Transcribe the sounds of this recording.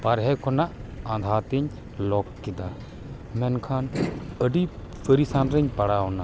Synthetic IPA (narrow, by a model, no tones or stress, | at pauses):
paɾɦɛkʰɔnaʔãd̪ʱaɾt̪ɛɲ | lɔkːɛd̪a | mɛnkʰanəɖi | pəɾisanɾɛɲpaɽaɔna